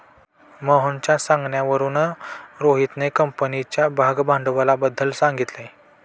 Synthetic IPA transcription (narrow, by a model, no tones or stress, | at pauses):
məɦənt͡ɕjasãŋɡɳjaʋəɾuːnɾoɦit̪nekəmpənit͡ɕjabʱaɡbʱãɳɖʋalabəd̪ʱːəlsãŋɡit̪le